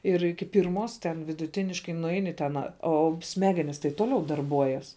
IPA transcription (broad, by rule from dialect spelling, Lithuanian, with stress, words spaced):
ɪr ˈɪkʲɪ ˈpʲɪrmoːs tʲɛn ʋʲɪdʊˈtʲɪnʲɪʃkɐɪ nʊˈɛɪnʲɪ tʲɛn ˈoː ˈsʲmʲæːɡʲɛnʲɪs tɐɪ ˈtoːlʲɛʊ dɐrˈbuɔjɛs